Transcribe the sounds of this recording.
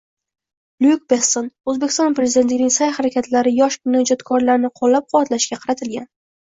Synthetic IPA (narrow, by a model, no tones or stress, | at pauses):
luk̚besonɵzbekʲɪ̥st̪ɒnpɾezɪd̪ent̪lɪɡʲnɪŋʲsajhaɾakʲʰat̪ʰlaɾɪjɒʃmɪnɒd͡ʒɒt̪kʰɒɾlaɾnɪqʰolːap̚qʰʊwat̪laʃkʲaqʰɑɾat̪ʰɪlɡʲan